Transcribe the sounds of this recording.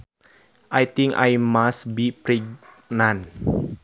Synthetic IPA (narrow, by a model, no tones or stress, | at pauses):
ʔajt̪ĩŋka̰jmasbipɾiɡ | nãn